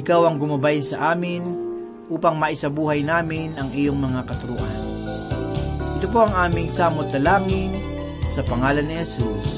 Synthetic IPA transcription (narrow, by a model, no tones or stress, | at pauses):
ɪkawɐŋɡʊmɐbajnsɐ̰ʔaːmɪn | ʔuːpɐŋmɐʔɪsɐbuːɦɐjnaːmɪnɐŋʔɪjoŋmɐŋakɐt̪ʊɾʊʔa̰n | ʔɪt̪op̬o̞ɐŋʔaːmɪŋsaːmot̪ːɐlaːŋɪn | sɐpɐŋaːlɐnːɪhɛsus